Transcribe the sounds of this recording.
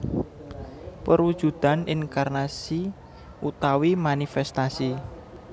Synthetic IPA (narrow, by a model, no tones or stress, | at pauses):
pəɾud̥ʒ̥ṳd̪̥a̤niŋkarnasi | ʔut̪awimanifɛst̪asi